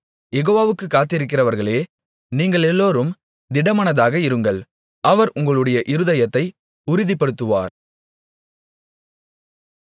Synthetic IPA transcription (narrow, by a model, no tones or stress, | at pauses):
jɛɣoːʋaːʋɯkːɯkːaːt̪ːɪɾɯk̬ːɪrɐʋɐɾɣɐɭeː | niːŋɡɐɭɛlːoːɾɯm | d̪ɪɽɐmɐnɐðaːɣɐɪɾɯŋɡɐɭ | ʔɐʋɐɾʊŋɡɐɭɯɽɐjɐʔɪɾɯðɐjɐt̪ːɐɪ | ʊɾɪðɪpːɐɽɯt̪ːɯʋa̰ːɾ